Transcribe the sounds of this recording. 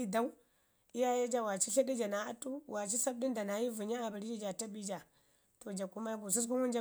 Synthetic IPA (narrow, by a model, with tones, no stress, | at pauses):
i˦da˦u˦ | i˦ja˦ja˦d͡ʒa˦wa˨t͡ʃi˦ɬi˦di˦d͡ʒa˨na˨a˦tu˦wa˨t͡ʃi˦sa˦b̚di˦nda˨na˨ji˦vu˨ɲa˦a˨bi˨ɾi˦d͡ʒi˦d͡ʒa˨ta˦bi˦d͡ʒa˨ | to˨d͡ʒa˨ku˦ma˦ɡu˨s̬i˦s̬ku˦wu˦nd͡ʒa˦